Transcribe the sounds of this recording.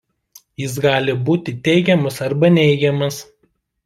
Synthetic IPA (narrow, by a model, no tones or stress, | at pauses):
jɪs̬ɡɑːlʲɪbuːt̪ʲɪt̪ʲɛɪɡʲɛmɐsɐɾbɐnʲɛɪɡʲɛmɐs